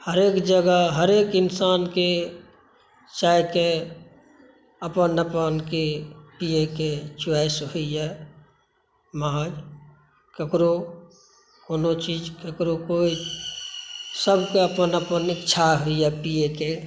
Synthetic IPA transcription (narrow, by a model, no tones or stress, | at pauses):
həɾeːkd͡ʒəɡəɦəɾeːkɪnsaːnke | t͡ʃaːjke | əpənːəpənkepijeket͡ʃasɦʊiɛ | maːd͡ʒ | kəkɾo | koːnot͡ʃiːd͡ʒkəkɾokoːi | səbʱkeəpənəpənɪkt͡ʃʰaɦoiɦɛpijeke